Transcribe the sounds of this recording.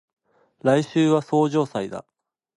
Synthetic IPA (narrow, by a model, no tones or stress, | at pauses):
ɾaiɕɨːβaso̞ːʑo̞ːsaid̪a̰